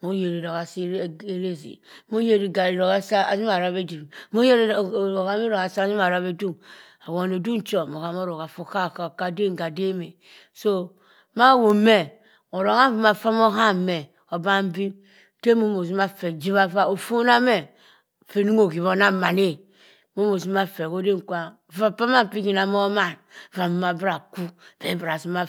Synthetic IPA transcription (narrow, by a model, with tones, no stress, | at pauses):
mo˦je˨ɾi˨ɾo˨ka˨si˦e˦ɾe˦˨zḭ˨mo˦je˨ɾi˨ɡa˨i˨ɾo˨ka˦sa˦a̰˨zi˦a˨ɾa˦be˦di˨mo˦je˦ɾo˨ka˦mi˦ɾo˨ka˨sa˦zi˦ma˨ɾa˦βe˦du˦ | a˨wo˨n˨o˨du˦n̩˦t͡ʃo˨mo˨ka˨m˦o˦ɾo˨ka˨fu˦ka˦˨ka˨ka˦de˦ŋ˨ɡa˨de˦me˨ | so˦ | ma˦˨wo˨me˦ | o˨ɾo˨ɣa˦vu˨ma˨fa˦mo˦ɦa˦mɛ˨ | o˨ba˦m˦bi˦ | ke˦mo˦mo˨z̬u˦ma˦fɛ˨d͡ʒi˦βa˦va˦o˨fo˦na˦me˦ | fe˨nu˦ŋo˨ɡi˨βo˨˦na˦˨ma˨ne˦ | mo˦mo˨si˦ma˦fe˨ko˦de˦ŋ˨kʷa˨ | va˦pa˦ma˦˨pi˦ɡi˨na˨mo˦ma˦˨nva˨m˨ma˨bɾa˨ku˦ve˦bɾa˨si˦ma˦